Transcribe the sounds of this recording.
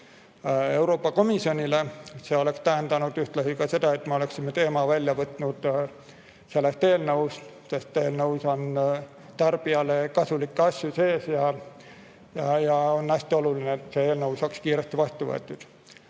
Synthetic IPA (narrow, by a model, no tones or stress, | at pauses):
e̞wɾo̞ːpːˑɑko̞misjo̞nʲile̞se̞o̞le̞kst̪æɦend̪̥ɑnud̪̥yht̪lɑsikɑse̞d̪ɑet̪me̞o̞le̞ksimet̪e̞ːmɑvælʲjɑvɤt̪ˑnud̪̥ | se̞lːest̪e̞ːlnɤwst̪se̞st̪ːˑeːlnɤwso̞n | t̪ɑrb̥iɑlekɑsulikːɑsjuse̞ːsjɑ | jɑjɑonæsʲt̪io̞lulineːt̪se̞eːlnɤwsɑkskiːɾest̪ivɑst̪uvɤḛt̪ːˑud̪̥